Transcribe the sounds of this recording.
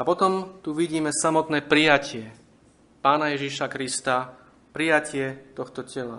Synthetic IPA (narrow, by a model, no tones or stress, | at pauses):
apɔt̪ɔmt̪uʋiɟiːmɛsamɔt̪nɛːpɾijacɪɛ | paːnajɛʒiʃakɾist̪a | pɾijacɪɛt̪ɔxt̪ɔcɛla